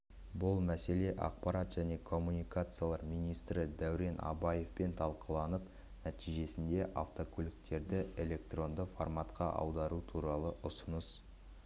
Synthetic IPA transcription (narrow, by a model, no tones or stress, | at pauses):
bʊlˠmæse̞le̞ʔɑ̰q̚pɑɾat̪ʒ̥æne̞kʰo̞mːunijkat̪sɨjalˠɑɾmijnijst̪ɾɪd̪æwɾe̞nʔɑ̰bɑje̞fpe̞nt̪ʰɑlˠqəlˠɑnəp | næt̪ijʒe̞sɪnd̪e̞ʔaft̪o̞kʲʰɵlɪk̚t̪e̞ɾd̪ɪʔe̞lʲe̞k̚t̪ro̞nd̪əformat̪qɑ̰ʔɑ̰wd̪ɑɾut̪ʰuɾɑlˠəʔʊsʊnəs